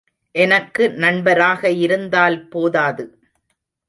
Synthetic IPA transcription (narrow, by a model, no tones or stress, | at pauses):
ʔɛnɐkːɯnɐɳbɐɾaːɣɐɪɾɯnd̪aːlpoːðaːðɯ